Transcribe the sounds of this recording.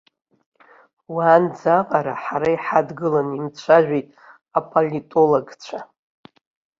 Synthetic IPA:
waːnd͡zaqʼaɾaħaɾaiħadɡɨlanimt͡ɕʷʰaʒᶣʷitʼ | apʰolʲitʼoloɡt͡ɕʷʰa

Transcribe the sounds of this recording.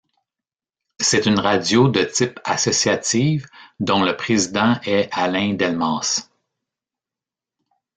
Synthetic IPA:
sɛt̪ynʁad͡zjod̪ət̪ɪpa̰sɔsiat̪iːvd̪ɔ̃ləpχezid̪ɑ̃ʔɛalɛ̃d̪ɛlmɑ̃ːs

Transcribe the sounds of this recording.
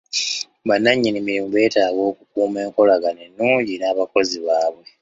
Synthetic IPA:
βanːaɲːinimiɾimube̞ːtaːɡo̞ːkukuːme̞ːŋko̞laɡanenːuːɲɟiɾaːβako̞ziβaːβwe̞

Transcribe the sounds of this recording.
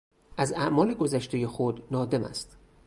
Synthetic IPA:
ʔæzæʔmɒːleɡo̞zæʃt̪e̞je̞xod̪nɒːd̪e̞mæ̰st̪

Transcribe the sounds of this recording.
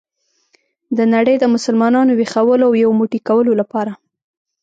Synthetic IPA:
d̪ənaɽəjd̪əmʊsəlmɑnɑnowexawəloawjawomuʈikawəlolapɑɾa

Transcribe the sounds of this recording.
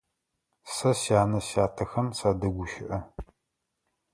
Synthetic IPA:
sɐsjaːnɐsjaːtʰɐxɐmsaːdɐɡʷʊʃɪʔɐ

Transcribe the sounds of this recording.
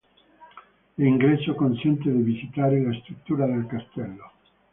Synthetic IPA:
liŋɡɾet͡ʃːokonsɛnt̪ed̪ivisit̪aːɾelast̪ɾut̪ːuːɾad̪elkast̪ɛlːo

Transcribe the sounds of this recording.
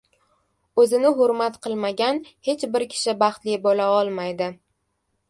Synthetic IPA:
ɵzɪnɪɦʊɾmat̪qʰɨlˠmaɡʲanhe̞t͡ʃbɪɾkʲʰɪ̥ʃɪbɑχt̪lijbɒlaɒlˠmajd̪ɪ

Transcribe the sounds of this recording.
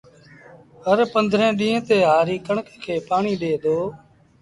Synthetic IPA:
ɦəɾpənd̪ʱɾẽːɗĩːɦə̃t̪eːɦaːɾiːkəɳkkʰeːpaːɳiːɗeːd̪oː

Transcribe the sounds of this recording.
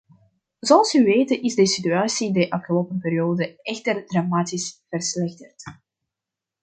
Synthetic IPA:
zoɑlˠsyʋeːtənɪzdəsityaːsidəʔɑfxəloːpənpeːɾijoːdəɛxtərdramaːtisv̥ərslɛxtərt

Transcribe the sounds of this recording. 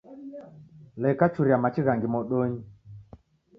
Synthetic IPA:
lɛkat͡ʃuɾiamat͡ʃiɣaŋɡimɔɗoɲi

